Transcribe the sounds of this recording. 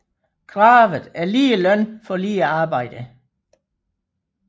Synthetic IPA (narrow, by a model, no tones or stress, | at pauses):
kʰʁɑ̈ːʋð̩ˠæɐliːəlœn̰fɒ̽liːæɑ̈ːb̥ɑ̈ɪ̰d̥ə